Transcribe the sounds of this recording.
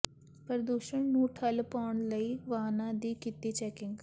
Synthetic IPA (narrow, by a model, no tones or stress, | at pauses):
pəɾəd̪uːʃəɳnũːʈʰəlpaːɳləiːʋaːnãːd̪iːkɪt̪iːt͡ʃɛːkɪ̃ŋɡ